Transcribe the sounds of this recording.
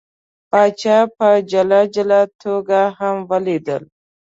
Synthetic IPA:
pɑt͡ʃɑpəd͡ʒalad͡ʒalat̪ʰoɡahamwəlid̪ə̰l

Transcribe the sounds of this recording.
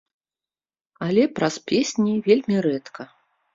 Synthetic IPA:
alʲɛpɾɐspʲesʲnʲivʲelʲmʲiɾɛt̪kʰɐ

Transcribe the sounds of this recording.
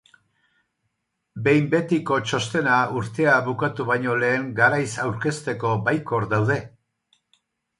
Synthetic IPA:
be̞jmbe̞t̪iko̞t͡ʃo̞st̪e̞nauɾt̪e̞aβukat̪uβajɲo̞le̞ːŋɡaɾajsawɾke̞st̪e̞ko̞bajko̞ɾd̪awðe̞

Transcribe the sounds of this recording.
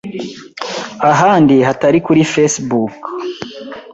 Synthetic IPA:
aɦaːndihataɾikuɾifesbuk

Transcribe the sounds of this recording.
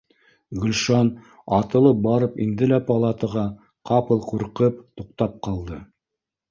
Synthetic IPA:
ɡɵ̆lʃɑn | ɑt̪ɤ̆lˠɤp̚bɑɾɤpḭnd̪ɘlæpɑlˠat̪ɤʁɑ | qɑpɤlˠquɾqɤp̚t̪uqt̪ɑp̚qɑlˠd̪ɤ

